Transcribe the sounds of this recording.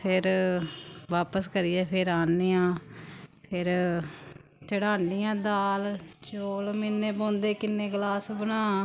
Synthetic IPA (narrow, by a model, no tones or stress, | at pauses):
pʰɪɾ | ʋaːpəskəɾijɛːpʰɪɾaːniːãːpʰɪɾ | t͡ʃəɽaːnijãːd̪aːlt͡ʃoːlmɪnːẽːpõːnd̪eːkɪnːẽːɡlaːsbənãː